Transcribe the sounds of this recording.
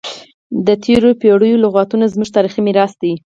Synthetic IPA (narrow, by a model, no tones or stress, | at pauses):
d̪ət̪ʰeɾopeɽəjolʊɣɑt̪unazmuʒt̪ɑɾiximɪɾɑst̪ai